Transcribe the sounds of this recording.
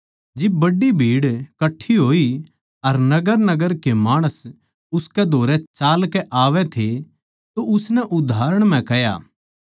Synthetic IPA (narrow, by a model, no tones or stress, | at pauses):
d͡ʒɪbːɐɖːibʱiːɽkɐʈʰːiɦoːi | ɐɾnɐɡəɾnɐɡəɾkemaːɽ̃əs | ʊskɛd̪ʱoːɾɛt͡ʃaːlkɛʔaːʋɛt̪ʰe | t̪oʊsnɛʔʊd̪ʱaːɾəɽ̃m̤ɛ̃kɛja̰ː